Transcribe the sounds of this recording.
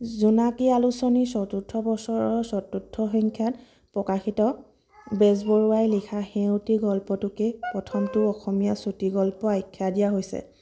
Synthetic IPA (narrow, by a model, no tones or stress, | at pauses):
zunakialusɔnisɔtutʰːɔbɔsɔɹɔɹsɔtutʰːɔxɔŋkʰjat̚ | pɹɔkaxitɔ | bɛsbɔɹuajlikʰaxɛwtiɡɔlpɔtʊkepɹɔtʰɔmtʊɔxɔmijasutiɡɔlpɔajkʰːadijaɦojsɛ̰